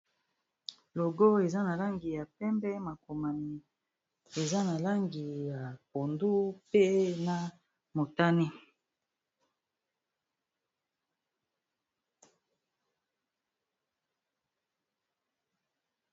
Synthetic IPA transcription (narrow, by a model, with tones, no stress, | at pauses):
lo˨ɡo˦e˨za˦na˨la˦ŋɡi˨ja˨pɛ˦mbɛ˦ma˨ko˨ma˨mi˨ | e˨za˦na˨la˦ŋɡi˨ja˨po˨ndu˦pe˦na˨ | mo˨ta˦ni˦